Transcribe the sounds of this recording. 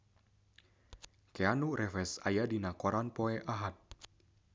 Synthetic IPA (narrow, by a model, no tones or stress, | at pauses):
keanurɛfɛsajadinakoɾanpoɛʔaɦat̪̚